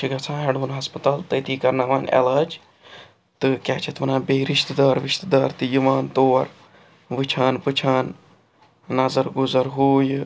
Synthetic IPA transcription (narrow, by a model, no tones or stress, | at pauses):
t͡ʃʰiɡɐt͡sʰãːɦeɽuːnɦɐspɐt̪aːlt̪ɐt̪iːkɐɾnaːʋaːnḛlaːd͡ʒ | t̪ɨkʲaːt͡ʃʰɐt̪ʋɐnãːbeːɾiʃt̪d̪aːɾʋɪʃt̪əd̪aːɾt̪ɨjiʋaːnt̪oːɐɾ | ʋɨt͡ʃʰaːnpɨt͡ʃʰaːn | nɐzɐɾɡʊzɐɾɦuːj